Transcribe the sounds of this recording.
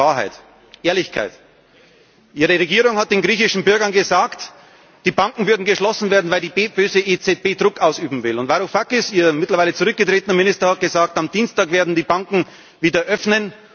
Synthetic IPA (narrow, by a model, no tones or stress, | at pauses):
aːɐɦa̰ɪt | ʔeːɐlɪçkʰa̰ɪt | ʔiːʁəʁeɡiːʁʊŋhat̚d̥eːnɡʁiːçɪʃn̩bʏɐɡɐnɡəzaːkt | d̥iːbaŋkŋ̩vʏɐdn̩ɡəʃlɔsn̩veːɐdn̩vaɪldiːbeːb̥øːzəʔet͡sɛt̚b̥eːdʁʊkʔaʊsyːbm̩vɪlʊntvaɾofakɪsiːɐmɪtlɐvaɪlət͡suʁʏk̚ɡ̥ətʁ̥eːtənɐmɪnɪstɐhat̚ɡ̥əzaːk̚tamd̥iːnstaːkveːɐdn̩diːbaŋkŋ̩ | viːdɐʔœfnən